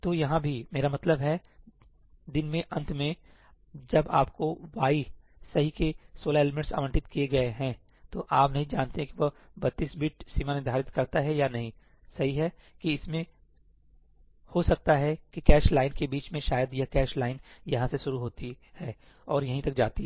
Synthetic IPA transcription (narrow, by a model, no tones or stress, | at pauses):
t̪oːjɐɦãbʱimeːɾamɐt̪ləbɦɛ | d̪ɪnmẽʔɐ̃nt̪ʰmẽ | d͡ʒɐbaːp̚koʋaːi | sɐɦikesoːlaeːlmẽɳʈsa̰ːʋə̃ɳʈɪt̪kieɡɐeɦɛ̃ | t̪oʔaːpnɐɦĩd͡ʒaːnt̪eɦɛ̃kiʋo | bɐt̪ːisbʱiʈsiːmanɪd̪ʱaːɾɪt̪kɐɾt̪aɦɛjanɐɦĩ | sɐɦiɦɛ | kiɪsmẽ | hosɐk̚t̪aɦɛkikɛːʃlaːɪnkebiːt͡ʃmẽʃaːjəd̪jɐkɛːʃlaːɪnjɐɦãseʃʊɾuɦoːt̪i | hɛː | ɔːɾjɐɦĩt̪ɐk̚d͡ʒaːt̪i